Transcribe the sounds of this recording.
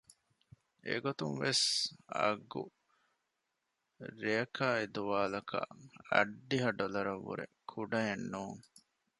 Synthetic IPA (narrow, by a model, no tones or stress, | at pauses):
ḛɡot̪uŋʋesɐ̰ɡu | ɾejɐkʰaːed̪uʋaːlɐkʰɐ̰ɐɖːiɦɐɖolɐɾɐʋːṵɾḛkʰuɖɐjenːuːŋ